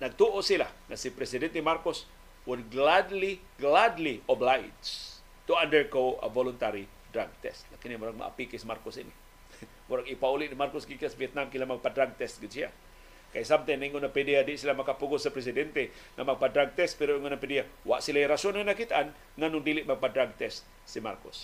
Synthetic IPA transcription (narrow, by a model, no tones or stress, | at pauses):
naɡ̚t̪uʔosilahnasipɾɛsidɛnt̪emarkʊs | wʊdɡladli | ɡladliɔblajd͡ʒ | t̪uandəɹɡoə̰volʊnt̪aɾi | dɾaɡ̚t̪ɛ̰st̪nakinimoɾaŋma̰ʔa̰pikesimarkʊsini | moɾaŋipauliʔdimarkʊsɡikiasviɛt̪̚namkilamaŋpadraɡ̚t̪ɛst̪̚ɡit͡ʃia̰ | kajisamt̪aniŋonapediadisilamakapuɡʊsəpɾes̬idɛnt̪e | nʔamaŋpadraɡ̚t̪ɛst̪̚piɾoŋanapediawa̰ʔsilaiɾasɔnnakit̪aan | ŋanʊŋdilɪʔmaŋpadraɡ̚t̪ɛst̪̚ | sima̰rkʊ̰s